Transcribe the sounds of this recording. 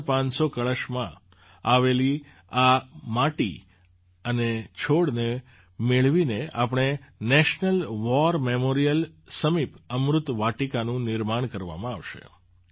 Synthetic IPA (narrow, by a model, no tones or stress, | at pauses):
pãnsokəɭəʃmã | aʋeli | amaʈḭ | ənet͡ʃʰoɽne | meɭʋinea̰pəɳ̃enɛʃnəlʋɔɾmemoɾijəlsəmipəmɾʊt̪ʋaʈikanũnɪɾmaɳkəɾʋa̰mãaʋʃḛ